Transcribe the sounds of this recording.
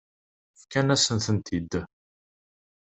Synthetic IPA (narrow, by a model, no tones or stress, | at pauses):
fkænæsənθənt̪id̪